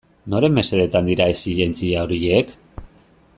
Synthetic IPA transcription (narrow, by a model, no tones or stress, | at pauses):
no̞ɾe̞mbe̞se̞ðet̪and̪iɾaesiʎe̞nt͡siao̞ɾiek